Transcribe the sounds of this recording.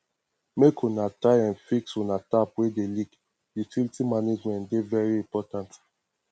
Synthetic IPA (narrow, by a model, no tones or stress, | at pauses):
mekʰunataɪãnfiksunatapwedelik | dit͡ʃilitimaned͡ʒmɛ̃ntdevɛɹiĩmpɔtãnt